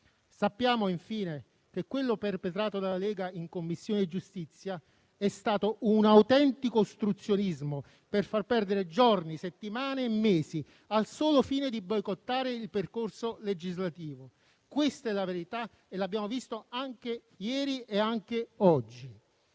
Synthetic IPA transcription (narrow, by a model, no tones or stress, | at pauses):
sapːjaːmoiɱfiːne | kekːwelːoperpet̪ɾaːt̪od̪alːalɛːɡaiŋkomːisːjoːnɪd͡ʒːust̪it̪sːja | ɛst̪aːt̪ounawt̪ɛnt̪ikost̪ɾut̪sːjonizmo | perfarpɛrd̪eɾed͡ʒorniset̪ːimaːneːmːeːsi | alsoːlʊfiːned̪ibɔjkot̪ːaːɾeilperkorsoled͡ʒizlat̪iːvo | kwest̪ɛlaveɾit̪a | elabːjaːmovist̪oaŋk̟e | jɛːɾieaŋk̟eɔd͡ʒːi